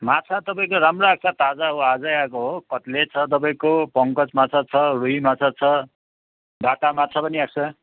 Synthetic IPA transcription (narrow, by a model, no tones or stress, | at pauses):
mat͡sʰat̪ʌpaĩkoɾamroak̚t͡sʰat̪ad͡zaɦoad͡zajakoɦokʌʈlet͡sʰʌt̪̬ʌp̬aĩkopʌŋkʌt͡smat͡sʰat͡sʰʌruɦimat͡sʰat͡sʰʌ | daʈamat͡sʰapʌniak̚t͡sʰa